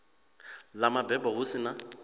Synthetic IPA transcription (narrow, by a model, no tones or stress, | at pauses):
lamabɛbahʊsɪna